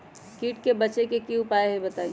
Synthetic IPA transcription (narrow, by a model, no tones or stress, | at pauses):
kiːʈkebɐt͡ʃekekiʊpaːeɦɛbɐt̪aːi